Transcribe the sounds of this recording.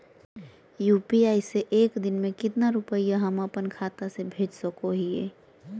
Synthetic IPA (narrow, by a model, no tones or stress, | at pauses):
jupiaːiseʔeːkd̪ɪnmẽkɪt̪naɾʊpəjaɦəməpənkʰat̪asebʱeːd͡ʒsəkoɦiḛː